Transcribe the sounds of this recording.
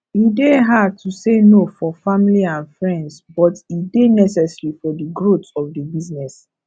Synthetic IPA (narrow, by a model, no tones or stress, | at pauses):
ideɦad̚tʰusenofɔfamiliãnfɹɛ̃ndsbɔtidenɛsɛsɹifɔdəɡɹotɔfdəbiznɛs